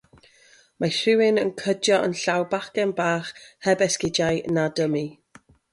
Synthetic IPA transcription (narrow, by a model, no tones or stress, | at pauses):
maɬɪwɪnənkʰədjɔʔənɬawbaχkɛnbaːχhɛbɛskɪd͡ʒajnadəmi